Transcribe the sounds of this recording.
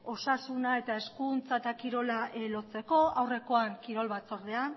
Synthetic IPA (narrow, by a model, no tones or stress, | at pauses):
o̞sasunae̞t̪ae̞skunt͡saet̪akiɾo̞lalo̞t͡se̞ko̞awre̞ko̞aŋkiɾo̞lβat͡so̞ɾðe̞an